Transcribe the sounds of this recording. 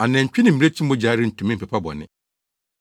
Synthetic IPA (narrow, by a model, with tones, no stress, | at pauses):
a˨nɛ̃˨ɲ̩˨t͡ɕᶣɪ˦nɪ̃˨m̩˨i˨ɾe˦t͡ɕʰĩ˦m˦bɔ˦d͡ʑaː˨˦ɾɪ˦n̩˨tʰũ˨mɪ̃˦˨pɛ˨pʰa˦bɔ̰˨nɪ̰̃˨